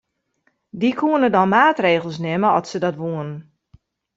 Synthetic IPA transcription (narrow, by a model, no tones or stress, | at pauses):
dikʰuənədɔnmaːtreːɣəlˠsnɛməɔtsədɔtʋuənən